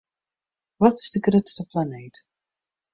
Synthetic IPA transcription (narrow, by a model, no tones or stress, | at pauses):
ʋɑtɪ̥zdəɡrøtstəplanejt